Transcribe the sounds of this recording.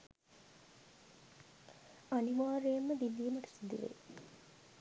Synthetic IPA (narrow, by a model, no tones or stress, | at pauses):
aniʋaːɾejɐmːəd̪ilːijəməʈə̥sid̪iʋḛː